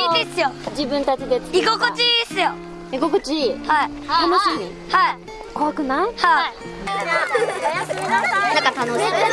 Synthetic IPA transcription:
id̪esɯjod͡ʑibɯnt̪at͡ɕid̪eiɡokɯt͡ɕisɯjo | iɡokɯt͡ɕiha | t̪ʰanoɕimi | ha | koakɯnaha | nakat̪anoɕi

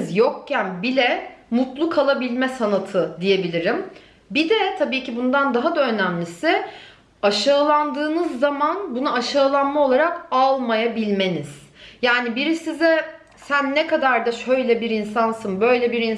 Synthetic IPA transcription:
zjokcænbilʲɛmut̪lˠukʰalˠabilʲmɛsanat̪ʰɯd̪ije̞bilʲiɾim | bid̪ɛt̪ʰabiːcʰibund̪and̪aɦad̪aø̞næmlʲisɪ | aʃaːlˠand̪ɯːnɯzːamanbunuaʃaːlˠanmao̞lˠaɾakalˠmajabilʲme̞niz̥ | jaːnibiɾisizɛ | sænːɛkad̪aɾd̪aʃø̞jlʲɛbiɾinsansɯnbø̞jlʲɛbiɾin

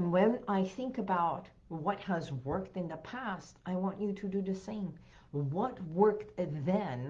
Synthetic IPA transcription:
nwɨ̃naɪθɪ̃ŋkɨbaʊt̚ | wʌt̚həzwɜ˞k̚tɨ̃nðəpʰæstaɪwɑ̃nt͡ʃɨɾɨdɨðɨsẽɪ̃m | wʌt̚wɜ˞k̚ðɨ̃n

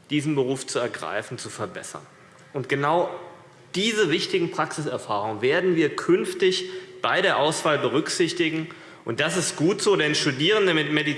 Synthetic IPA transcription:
d̥iːzn̩bəʁuːft͡suɛɐɡʁa̰ɪfn̩t͡sufɛɐbɛ̰sɐ̰n | ʔʊntɡ̥ənaʊ | d̥iːzəvɪçtɪɡŋ̩pʁ̥aksɪsɛɐfaːʁ̞ʊŋənveːɐdn̩viːɐkʰʏnftɪçb̥aɪɾeːɐʔaʊsv̥aːlbəʁ̞ʏkz̥ɪçtɪɡŋ̩ | ʔʊnt̚d̥asɪstɡ̥uːtz̥oːdɛnʃtudiːʁ̞əndəmɪtmedi

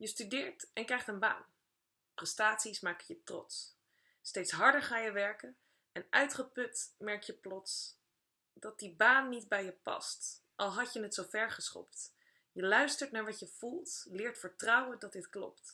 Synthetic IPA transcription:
jəstydɪːɹtʔɛnkrɛjχtənba̰ːn | prɛstaːtsismaːkəjətrɔ̰ts | stejtsɦɑɹdəɹχaːjəʋɛɹkən | ɛnʔœ̰ɥtχəpɵtmɛɹkjəplɔts | d̥ɑt̚dibaːnːitbɛjəpɑ̰stʔɑlˠɦɑcjənətsowvɛɹχəsχɔ̰pt | jəlœɥstəɹtnaːɹʋɑtjəv̥ulˠtlɪːɹtfəɹtrʌwəndɑt̚dɪtklɔ̰p̚t

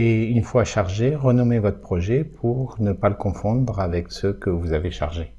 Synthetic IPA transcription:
eynfwaʃaʁʒeʁənɔmevɔt̪χə̥pχɔʒɛpʰuʁnəpaləkɔ̃fɔ̃d̪ʁavɛksəkəvuzaveʃa̰ʁʒe

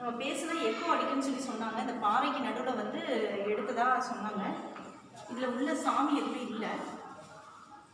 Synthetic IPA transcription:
nɐmːɐpeːsɯðãːɛpːoɐɽɪkːɯnːɯs̬ɔlːisɔnːaːŋɡɐɪnd̪ɐpaːɾɐɪkːɯnɐɽɯʋɯlɐʋɐnd̪ɯɛɽɯt̪ːɐðaːsɔnːaːŋɡɐ | ɪðɪlɐʊðlːɐsaːmiɛpːɽiɪlːɐ

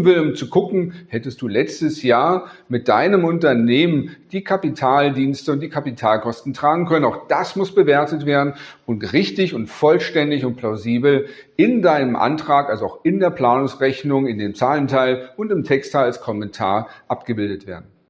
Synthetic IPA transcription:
vɪlʊmt͡suɡʊkŋ̩hɛtəst̚d̥uːlɛt͡stəsjaːɐmɪt̚d̥aɪnəmʊntɐneːmənd̥iːkʰapitʰaːldiːnstəʊntd̥iːkʰapitʰaːlkʰɔstn̩tʁ̥aːɡŋ̩kʰœnənaʊxd̥asmʊsb̥əveːɐtətv̥eːɐdn̩ʔʊntʁɪçtɪçʊntfɔlʃtɛndɪçʊnt̚pʰlaʊziːbl̩ | ɪndaɪnəmʔa̰ntʁ̥aːkʔalzoaʊxɪndeːɐpl̥aːnʊŋsʁɛçnʊŋɪndeːmt͡saːləntʰaɪlʊntɪmtʰɛkstʰaɪalskʰɔmɛntʰa̰ːɐʔapɡ̥əbɪldətv̥eːɐdn̩

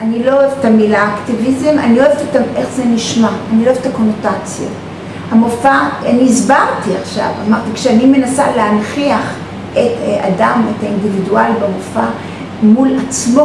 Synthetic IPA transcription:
anilo̞oevet̪amilaːktivizema̰nio̞evtetaʔe̞χzeniʃmaːnilo̞evet̪ako̞notat͡sja̰ | hamofaaniːzbaʁtiaχʃa̰vamaʁt̪ikʃeanime̞nasa̰lehanχiaχ | eta̰dametaindividualibemofa | mulat͡smo

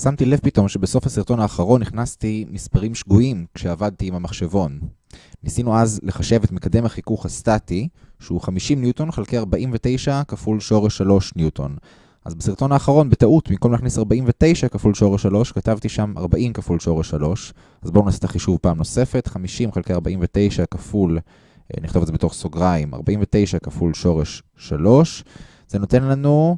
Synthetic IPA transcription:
samtile̞vpito̞mʃebeso̞fhasiʁt̪o̞naːχaʁo̞nːiχnastimispaʁimʃɡuimkʃeavad̚t̪iːmamaχʃevo̞nː | isinuazle̞χaʃe̞vetmekade̞maχikuχhastatiʃeuχamiʃimnjuto̞nχalkejaʁbaʔimvete̞jʃakafulʃo̞ʁeʃalo̞ʃnjutʰo̞̰n | ʔa̰zbesiʁt̪o̞naːχaʁo̞nbetaʔutbimkomaχnisaʁbaʔimvete̞jʃakafulʃo̞ʁeʃalo̞ʃkatavtiʃamʔa̰ʁbaʔimkafulʃo̞ʁeʃːalo̞ʃ | azbounasit̪aχiʃuvpaːmno̞se̞fe̞tχamiʃimχalkejaʁbaʔimvete̞jʃakaful | niχto̞vezebet̪o̞χsoɡʁaima̰ʁbaimvet̪e̞jʃakafulʃo̞ʁeʃː | alo̞ʃ | z̥eno̞te̞nlanu

